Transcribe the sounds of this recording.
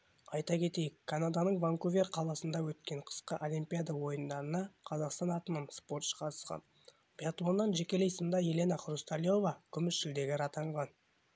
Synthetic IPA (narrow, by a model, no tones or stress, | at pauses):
ɑjt̪ɑkʲʰe̞t̪e̞jɪkʰːanad̪anəɴvaŋkuvʲerqʰɑlˠɑsənd̪ɑwɵt̪kʲe̞ɴqʰə̥sqəʔolʲimpʲijad̪ɑwo̞jənd̪ɑɾənɑqʰɑzɑqst̪ɑnɑt̪ənəɴspo̞rt̪ʃqʰɑt̪ə̥sqɑ̰n | pʲjat̪lˠo̞nːɑnʒe̞kʲe̞lejsənd̪ɑje̞le̞nɑqrust̪alʲjo̞vɑkʲʰʏmɪʃʃɪld̪e̞ɡʲɪɾɑt̪ɑɴʁɑn